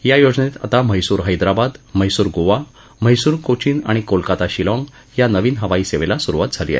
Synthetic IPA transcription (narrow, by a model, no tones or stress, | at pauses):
jajod͡znet̪a̰t̪aməjsuːɾɦəjd̪ɾabad̪məjsuːɾɡoʋa | məjsuːɾkot͡ɕiːna̰ɽ̃ikolkat̪aɕilɔ̃ŋɡ | janəʋiːnɦəʋaiːseʋelasuɾuʋat̪̚d͡zʱalḭːa̰e